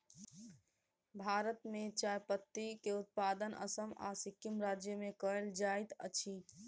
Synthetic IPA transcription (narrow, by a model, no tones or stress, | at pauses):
bʱaɾət̪met͡ʃajpət̪ːikeut̪̚pad̪ənə̰səma̰sikimɾad͡ʒjəmekəɦeld͡ʒajt̪ə̰t͡ʃʰi